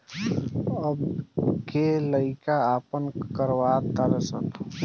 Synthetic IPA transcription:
əbkeləɪkaaːpənkəɾwaːt̪aɾesək

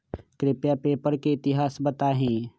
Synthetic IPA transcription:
kɾɪpjapeːpəɾkeɪt̪ɪɦaːsbət̪aɦɛ̃ː

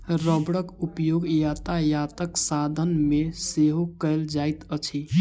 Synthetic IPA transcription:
ɾəbɽəkupjoɡjat̪ajat̪əksad̪ʱənmeseɦokəjld͡ʒajt̪ət͡ʃʰi

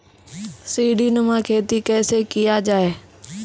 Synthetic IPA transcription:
siːɖiːnəmãːkʰeːt̪ikɛ̃ːsekɪjad͡ʒaːeː

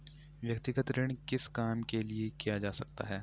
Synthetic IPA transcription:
ʋjəkt̪ɪɡət̪ɾɪɳ̃kɪskaːmkeliekijad͡ʒaːsɐk̚t̪a̰ɦɛː

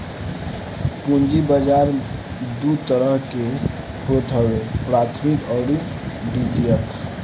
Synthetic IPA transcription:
pʊ̃nd͡ʒibəd͡ʒaːɾ | d̪ut̪əɾəɦke | hoːt̪ɦəwepɾaːt̪ʰmɪkɔːɾ | d̪it̪ijək

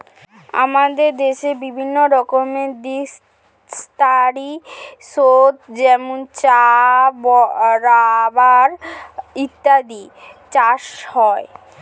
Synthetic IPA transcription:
a̰mad̪eɾd̪eʃebibʱinːoɾɔkomed̪i | st̪aɾisot̪d͡ʑɛmont͡ɕabɔɾabaɾit̪ːad̪it͡ɕaʃhɔe

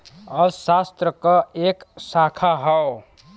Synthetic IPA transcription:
ʌsast̪ɾəkɔeksakʰaɦə

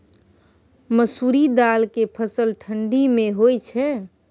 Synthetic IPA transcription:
məsuɾid̪alkepʰəsəlʈʰəɳɖimeɦojt͡ʃʰɛ

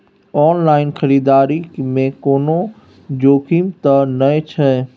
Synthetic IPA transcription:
ɔːnlaːɪnkʰəɾiːd̪aːɾimẽkoːno | d͡ʒoːkimt̪ənəet͡ʃʰɛ

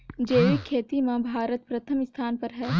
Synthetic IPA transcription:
d͡ʒeːʋikʰːeːt̪imãbʱaːɾət̪pɾɐt̪ʰəmɪst̪ʰaːnpɐɾɦɛː

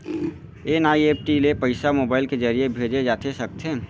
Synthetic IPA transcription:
enaːieːp̚ʈilepəɪsamoːbaːɪlked͡ʒəɾijebʱeːd͡ʒed͡ʒaːt̪ʰesəkt̪ʰẽ

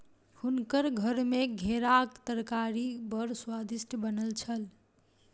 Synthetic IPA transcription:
hunkəɾɡʱəɾmeɡʱeɾakt̪əɾkaɾibəɾswad̪isʈʰəbənəlt͡ʃʰəl

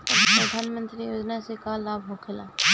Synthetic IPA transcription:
əpɾəd̪ʱaːnmə̃nt̪ɾiːjoːd͡ʒnaːsekaːlːaːbɦokʰɪla̰ː

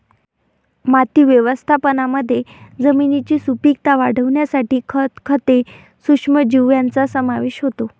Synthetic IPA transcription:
mat̪iːʋjəʋəst̪ʰapənaməd̪ʱːjed͡zəminit͡ɕiːsupik̚t̪aʋaɽ̤əʋɳjasaʈiːkʰt̪kʰət̪e | sukʂməd͡ʑiʋjant͡sasəmaʋeɕɦot̪o

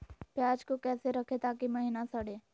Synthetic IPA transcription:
pjaːd͡ʒkokɛːseɾɐkʰet̪aːkimɐɦiːnasɐɽeː

